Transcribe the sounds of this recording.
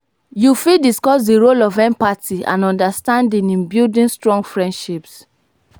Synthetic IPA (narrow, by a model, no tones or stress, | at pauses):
jufidiskɔsdiɹolɔvɛ̃npatiã̰nɔ̃ndastãndĩnĩnbjildĩnstɹɔ̃ŋɡfɹɛ̃ndʃips